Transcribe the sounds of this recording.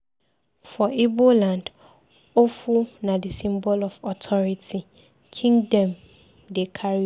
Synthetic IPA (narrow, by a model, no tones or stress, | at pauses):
fɔʔibolãnd | ofunãdɪsĩmbɔlɔfɔtʰɔɹitʰi | kʰĩŋdɔ̃m | dekʰaɹi